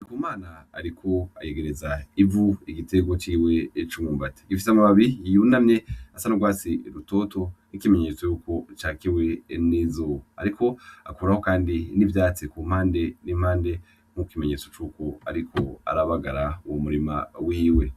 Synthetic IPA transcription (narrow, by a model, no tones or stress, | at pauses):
ikumaːna̰ːɾikʰo̞aje̞ɡe̞ɾezaivuiɡite̞ɡo̞t͡ʃiːwe̞ːt͡ʃumuːmbate̥ɡifi̥samaβaβijijunamɲe̞asanuɡwaːsiɾuto̞to̞nikime̞ɲe̞t͡so̞juːko̞t͡ʃaːkiwe̞nizoa̰ɾiko̞akuɾaho̞kaːndinivjaːt͡sekum̥haːnde̞nim̥haːnde̞ | m̥ukkime̞ɲe̞t͡so̞t͡ʃuːko̞a̰ɾikʰo̞a̰ɾaβaɡaɾawomuɾima̰wiːwe̞